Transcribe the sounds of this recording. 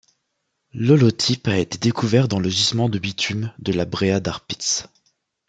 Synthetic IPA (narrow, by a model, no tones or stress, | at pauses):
lɔlot̪ʰipaet̪ed̪ekʰuvɛʁd̪ɑ̃ləʒismɑ̃d̪əbit̪ʰymd̪əlabʁead̪aʁpi̥t̪s